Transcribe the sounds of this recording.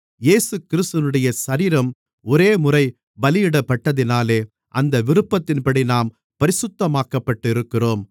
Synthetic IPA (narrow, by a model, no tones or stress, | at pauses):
jeːsɯkɪɾɯst̪nɯɽɐjɐsɐɾiːɾɐm | ɔɾeːmʊrɐɪ | bɐlɪjɪɽɐpːɐʈːɐðɪnaːleː | ʔɐnd̪ɐʋɪɾɯpːɐt̪ːɪnpɐɽinaːm | pɐɾɪsʊt̪ːɐmaːkɐpːɐʈːɯɪɾɯkːɪroːm